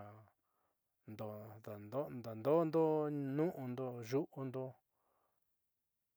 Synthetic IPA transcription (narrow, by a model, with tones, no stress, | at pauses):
nd̪o˧˨d̪a˨nd̪o˦nd̪a˨nd̪o˦nd̪o˦nũ˦ʔũ˧nd̪o˧ʒu˦ʔu˧nd̪o˧